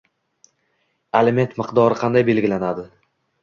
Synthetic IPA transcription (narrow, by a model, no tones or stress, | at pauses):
eleme̞nt̪mɪqd̪ɒɾɪqʰɑnd̪ajbe̞lɡʲɪlanad̪ɪ